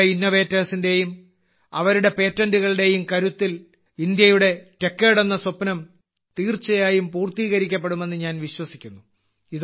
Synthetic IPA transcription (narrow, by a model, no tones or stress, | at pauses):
inːɐʋe̞ːtːɐːsinde̞jum | ɐʋɐɾuɽe̞pe̞ːtːɐnduɣɐɭɽe̞jumkɐɾut̪ːil | ind̪jɐjuɽe̞te̞kːeːɽenːɐsopːnɐm | t̪iːrt͡ɕːɐjaːjumpuːrt̪iːɣɐɾikʲːɐp̬ːe̞ɽume̞nːɨɲaːnʋiɕwɐsikʲːunːu | ið